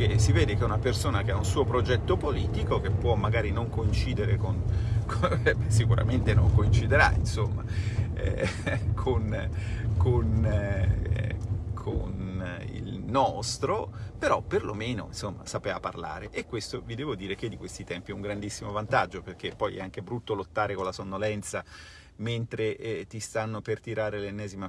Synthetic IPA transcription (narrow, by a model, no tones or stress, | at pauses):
k̟esiveːd̪ekeunapersoːnak̟eaunsuːopɾod͡ʒɛt̪ːopoliːt̪ikok̟epːwɔmːaɡaːɾinoŋkoint͡ʃiːd̪eɾekonksikuɾa̰ment̪enoŋkoint͡ʃid̪eɾa̰ḭnsomːa̰ | ɛ̰kʰonkʰon | kʰo̰nḭlnɔst̪ɾopeɾɔpːerlomeːno̰nsomːa̰sapeːaparla̰ːɾeʔekːwest̪ovid̪ɛːvod̪iːɾek̟ed̪ːikwest̪it̪ɛmpiɛuŋɡɾand̪isːimovant̪ad͡ʒːoperk̟epːɔjɛ̰aŋk̟ebɾut̪ːolot̪ːaːɾekonlasonːolɛnt̪sa | ment̪ɾeʔɛt̪ist̪anːopert̪iɾaːɾelenːɛːzima